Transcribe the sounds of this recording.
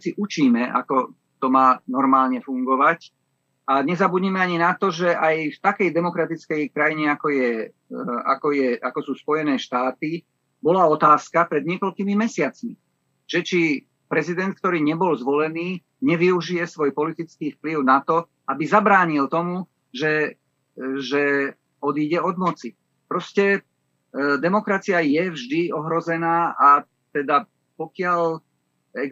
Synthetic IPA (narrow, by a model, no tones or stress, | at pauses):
siʔut͡ʃiːmɛʔa̰kɔ | t̪ɔmaːnɔɾmaːlɲɛfuŋɡɔʋac | ʔaɲɛzabudɲimɛaɲinat̪ɔʒɛʔajft̪akɛjd̪ɛmɔkɾat̪it͡skɛjkɾajiɲɛakɔjɛ | a̰kɔjɛakɔsuːspɔjɛnɛːʃt̪aːt̪i | bɔlaɔt̪aːskapɾɛd̪ɲɪɛkɔlkimimɛsɪat͡smi | ʒ̥ɛt͡ʃi | pɾɛzid̪ɛnt̪̚k̚t̪ɔɾiːɲɛbɔlzʋɔlɛniː | ɲɛʋiuʒijɛsʋɔjpɔlit̪it͡skiːfpliʊnat̪ɔ | ʔabizabɾaːɲilt̪ɔmu | ʒɛ | ʒɛ | ɔd̪iːɟɛɔd̪mɔt͡si | pɾɔscɛ | d̪ɛmɔkɾat͡siajɛvʒd̪iɔɦɾɔzɛnaːʔa | t̪ɛd̪a | pɔkɪaʎ | ɛ